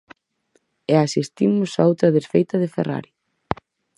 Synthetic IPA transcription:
easist̪imʊsaowt̪ɾɐðesfejt̪ɐðɪfera̰ɾi

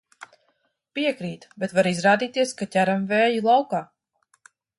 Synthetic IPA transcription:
piɛkɾiːt̪bɛt̪vaɾizɾaːd̪iːt̪iɛskatʲæɾɛmvɛːjilˠawkaː

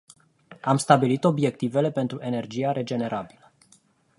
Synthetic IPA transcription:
amst̪abilit̪o̞bje̞k̚t̪ive̞le̞pe̞nt̪ɾuʔe̞ne̞rd͡ʒijaɾe̞d͡ʒe̞ne̞ɾʔabilə

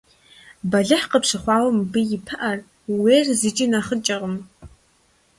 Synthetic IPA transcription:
bɐɮɨħqəpʂɨχʷɑːwɐmbɨjɪpʰɐʔɐr | weːrzɨt͡ʃʼinɐχət͡ʃʼɐʁəm

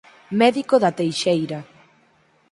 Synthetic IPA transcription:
mɛðikoðat̪ejʃejɾa

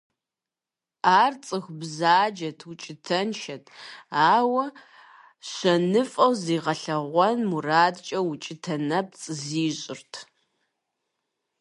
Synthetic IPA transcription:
aːrt͡sʼɨxbzaːd͡ʒɐtʰwʊt͡ʃʼɪtʰɐnʃɐtʰaːwɐ | ɕɐnɨfʼɐwziːʁɐɬɐʁʷɔnmuraːdt͡ʃʼɐwut͡ʃʼɪtʰɐnɐp̚t͡sʼɨziːɕʼɪrtʰ

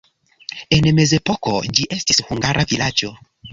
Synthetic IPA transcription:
e̞nme̞ze̞poko̞̰d͡ʒiʔe̞stishuŋɡaɾʔavilad͡ʒo̞

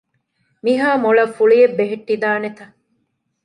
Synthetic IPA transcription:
miɦaːmoɭɐfːuɭijebːeɦeʈːid̪aːnet̪ɐ

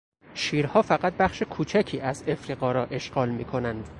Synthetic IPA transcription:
ʃiːɾhɒːfæɣæt̪̚bæχʃekʰuːt͡ʃʰæcʰiːæze̞fɾiːɣɒːɾɒːʔe̞ʃɡɒːlmiːkʰo̞nænd̪̥

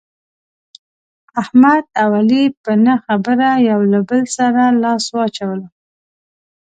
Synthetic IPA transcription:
ahmad̪̚awalipənaxabəɾajawlabəlsaɾalɑswɑt͡ʃawəla

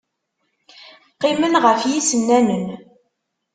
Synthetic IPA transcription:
qːɪmənʁəfjisənːænən

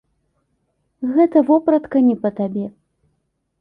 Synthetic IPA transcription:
ɣɛt̪ɐvɔpɾɐt̪kɐnʲɛpɐt̪abʲɛ

